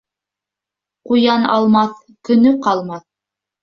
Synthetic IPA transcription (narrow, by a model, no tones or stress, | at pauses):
qujɑnɑ̰lˠmɑθ | kɵ̆nɵqɑlˠmɑθ